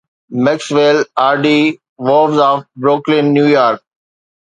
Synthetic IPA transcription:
mɛksʋelaːɾɖi | ʋoːʋzɔːfbɾoːklɪ̃nːjuːjaːɾk̚

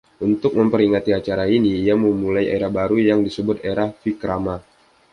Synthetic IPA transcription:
ʔunt̪ʊk̚məmpəɾiŋat̪iat͡ʃaɾainiːaməmulaja̰eɾahbaɾujaŋdisəbʊt̪eɾahfikɾama

